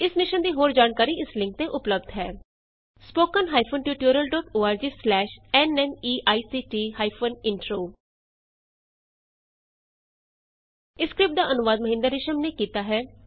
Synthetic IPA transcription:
ɪsnɪʃənd̪iːɦoːɾd͡ʒaːnkaːɾiːɪslɪ̃ŋk̚t̪eːʔʊpləb̚d̪ɦɛː | spoːkənɦaːipʰoːnʈjuːʈjuːɾəlɖɔːʈoːaːɾd͡ʒiːslɛːʃɛːnɛːniːʔaːiːsiːʈiːhaːipʰoːnɪɳʈɾoː | ɪskɾɪp̚d̪aːʔənʊʋaːd̪̚məɦɪ̃nd̪əɾɪʃəmneːkiːt̪aːɦɛː

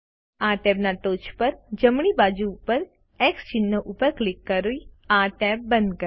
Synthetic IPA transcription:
aɾʈɛbnaʈoːt͡ʃpəɾd͡ʒəmɳibad͡ʒuːpəɾ | ɛkst͡ʃɪnːoʔupəɾklɪkːəɾuiaɾʈɛb̚ːə̃nd̪kə

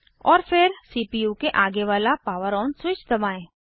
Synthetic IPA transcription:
ɔːɾfɪɾsiːpijuːkeʔaːɡeʋaːlapaːʋəɾɔːnswɪt͡ʃd̪ɐbaːẽː

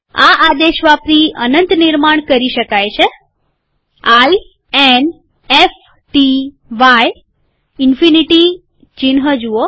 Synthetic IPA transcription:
aʔad̪eʃʋapɾiənənt̪niɾmaɳ̃kəɾiʃəkajt͡ʃʰe | aj | en | ef | ʈi | ʋaj | ɪnfiniʈi | t͡ʃinɦəd͡ʒuo

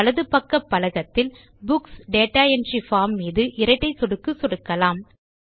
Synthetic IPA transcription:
ɐlɐðɯpɐkːɐpːɐlɐɣɐt̪ːɪl | bʊksɖeːʈːaːɛndrifaːmːiːðɯʔɪɾɐɪʈːɐɪsɔɽɯkːɯsɔɽɯkːɐlaːm

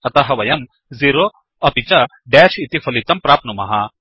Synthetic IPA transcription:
ɐt̪ɐɦɐʋɐjɐm | ziɾo | ɐpit͡ʃɐ | ɖɛːʃit̪ifʰɐlit̪ɐmpɾaːpnumɐ̰ɦɐ

